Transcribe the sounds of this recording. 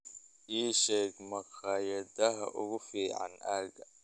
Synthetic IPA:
ʔiːʃɛːɡmɐqɑːjɐd̪ɐɦɐʔʊ̰ɣʊfiːʕɑ̰naːɡɐ

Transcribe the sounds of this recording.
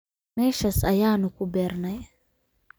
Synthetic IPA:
meːʃɐsɐjaːnʊkubeːɾnɐj

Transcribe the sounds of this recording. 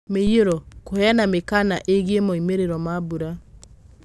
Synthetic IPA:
mejeɾɔkohɛanamekanaʔeɣemoimeɾeɾɔmabuɾa

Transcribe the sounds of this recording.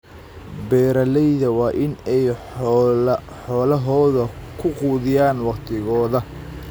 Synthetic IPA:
bɛːɾɐlɛjðɐwɑːʔɪnɛj | ħɔːlɐɦɔːðɐkʰʊquːðɪjaːnwɑqt̪ʰɪɣɔːðɐ

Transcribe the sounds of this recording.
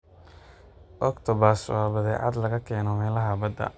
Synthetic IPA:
ʔɔkt̪ʰɔbɐrswɑːbɐðɛʕɑ̰d̪lɐɣɐkʰɛːnɔmɛːlɐɦɐbɐd̪ɐ̰

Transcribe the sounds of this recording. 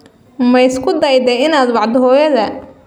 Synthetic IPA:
mɐjɪskʰʊd̪ɐjd̪ɛjɪnaːd̪wɑʕd̪ɦɔːjɐðɐ

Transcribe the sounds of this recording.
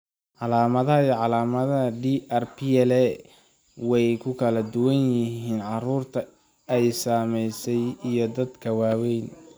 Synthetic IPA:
ʕɑlaːmɐðɐɦɐijʕɑlaːmɐðɐɦɐɖiːʔɛrpiɛlɛ | wɛjkʰʊkʰɐlɐd̪ʊwɐnjɪɦiːnʕɑruːrt̪ʰɐ | ɛjsaːmɛjsɛjijɞd̪ɐd̪kʰɐwaːwɛjn

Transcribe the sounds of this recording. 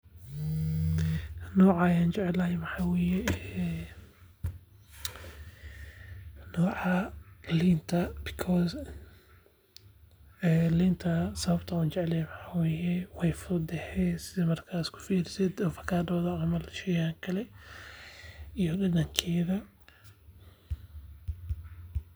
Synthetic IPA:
nɔːʕɑjaːnt͡ʃɛʕɛlɐjɛmɐħaːwɛːjɛ | nɔːʕɑliːnt̪ʰɐbɪkʰɔs | ɛːliːnt̪ʰɐsɐβɐbt̪ʰɐuːnt͡ʃɛʕɛlɐjɛmɐħaːwɛːjɛwɛjfʊɾd̪ɛhɛsɪðɐmɐrkʰaːskʰʊ̥fiːɾɪsɛd̪ɔfɐ̥kʰaːd̪ɐwðɐʕamɐlʃɛjaaŋkʰɐlɛ | ijɔɗɐdɐŋkʰɛːðɐ

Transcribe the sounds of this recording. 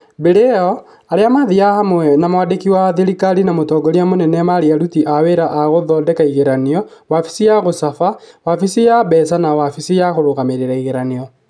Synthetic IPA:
beɾɛɔ | aɾeamaðiahamwɛnamoadekiwaðiɾikaɾinamotɔːɡɔɾiamonɛnɛmaɾiaɾutiʔaweɾaʔaɣoðɔdɛkaiɣeɾaniɔwafi̥sijaɣosafawafisijabɛsanawafisijaɣoɾoɣameɾeɾaiɣeɾaniɔ

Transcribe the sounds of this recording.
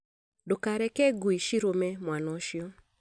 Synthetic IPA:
dokaɾɛkɛɡuiʃiɾomɛmwanɔʃiɔ

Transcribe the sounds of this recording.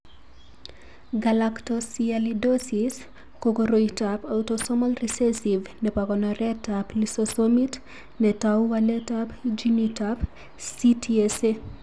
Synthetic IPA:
ɡalaktɔsialidɔsis | kokɔɾoitapawtɔsɔmɔlrɛsɛsivnɛpakɔnɔɾɛtaplisɔsɔmit | nɛtawwalɛtapd͡ʒinitap | sitʰiɛse

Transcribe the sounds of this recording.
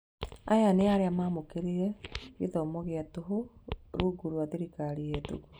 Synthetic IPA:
a̰janeaɾeamamokeɾeɾɛḭðɔmoɣeatoɦoɾuɡuɾuaðiɾikaɾieto̰ɣo

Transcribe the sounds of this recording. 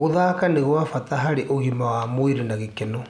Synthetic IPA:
oðaːkaneɣwafataɦaɾeʔoɣimawamoiɾenaɣekeno

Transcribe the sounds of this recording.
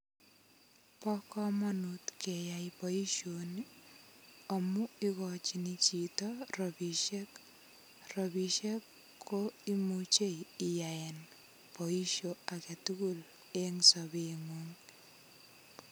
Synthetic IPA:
pɔkɔmɔnutkejajpɔiʃoni | ɔmuikɔt͡ʃinit͡ʃitɔrɔbiʃek | rɔbiʃekʰː | oimut͡ʃejijaen | pɔiʃoaketukul | eŋsɔbeŋuŋ

